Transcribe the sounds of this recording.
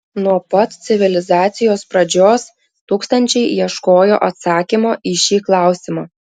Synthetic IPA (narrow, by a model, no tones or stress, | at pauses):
nuɔpɐt̪t̪sʲɪʋʲɪlʲɪzɑːt̪sʲɪjoːspɾɐd͡ʒʲoːs | t̪uːkst̪ɐnʲt͡ʃʲɛɪiɛʃkoːjo̰ːʔɐt̪sɑːkʲimoːʔiʃʲiːklˠɑˑʊsʲɪmɑː